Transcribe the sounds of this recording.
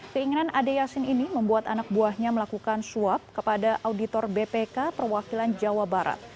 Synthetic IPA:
kəiŋinanʔadejasɪniniməmbuat̪anak̚buahɲaməlakukansuap̚kəpadaʔawdit̪ɔrbepekapərwakiland͡ʒawabaɾa̰t̪̚

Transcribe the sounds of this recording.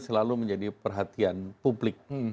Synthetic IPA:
səlaluməɲd͡ʒadipərɦat̪ianpublɪk̚

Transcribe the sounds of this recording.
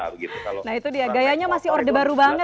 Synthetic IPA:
it̪naɦit̪udiaɡajaɲamasɪɔrdəbaɾubaŋə

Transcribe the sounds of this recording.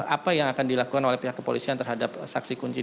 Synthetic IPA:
apajaŋakandilakukanolɛhpiɦakəpolisiant̪ərɦadap̚sa̰ksikuɲt͡ʃi

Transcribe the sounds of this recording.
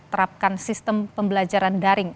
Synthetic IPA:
t̪əɾap̚kansist̪əmpəmbəlad͡ʒaɾandaɾɪŋ

